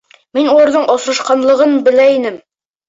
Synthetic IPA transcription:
minulˠɑ̆ɾðɤɴʔɒsɾɤ̆ʃqɑnlˠɤ̆ʁɤnbɘ̆læinɘm

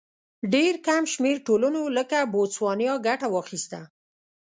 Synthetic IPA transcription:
ɖeɾkamʃmeɾʈolənoləkabot͡swɑnjɑɡaʈawɑxist̪a

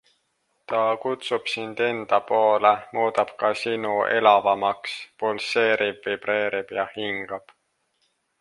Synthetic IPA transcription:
t̪ɑkut̪sub̥sind̪̥e̞nd̪̥ɑpo̞ːlemuːd̪ɑb̥kɑsinuʔe̞lɑvɑmɑkspolse̞ːɾib̥vib̥re̞ːɾib̥jɑhiŋɡ̥ɑb̥

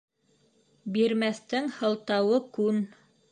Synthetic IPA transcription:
biɾmæθt̪ɘŋhɤ̆lˠt̪ɑwɤkʉn

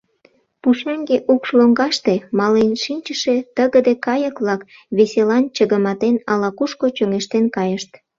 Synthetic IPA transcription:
puʃɑŋɡeʔukʃloŋɡɑʃt̪emɑlenʃinʲt͡ɕəʃet̪əɣəd̪ekɑjəkβlɑk | βeselɑnt͡ɕəɣəmɑt̪enɑlɑkuʃkot͡ɕøŋeʃt̪enkɑjəʃt̪

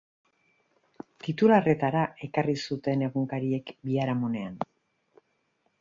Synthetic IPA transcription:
t̪it̪ulare̞t̪aɾae̞karisut̪e̞ne̞ɣuŋkaɾie̞kbiaɾamone̞an

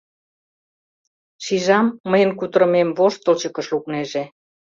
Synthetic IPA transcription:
ʃiʒɑmːəjənkut̪əɾə̆memβoʃt̪ə̆lt͡ɕə̆kə̆ʃlukneʒe

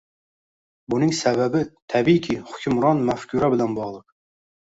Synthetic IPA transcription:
bunɪŋsɛbæbɪt̪ʰɛbikʲʰiχʊkʲʰymɾɑnmæfkʲʰuɾɛbɪlɛnbɑʁlˠəq

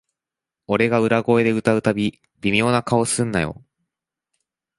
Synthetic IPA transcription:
o̞ɾe̞ɡaɯ̟ɾaɡo̞e̞d̪e̞ɯ̟t̪aɯ̟t̪abʲi | bʲimʲjo̞ːnakao̞sɨ̃nːajo̞̰

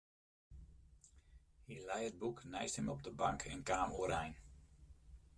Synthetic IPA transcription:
hilɛjəd̚buknɛjsthəmɔb̚dəbɑŋkʰɛnkaːmuəɾɛjn

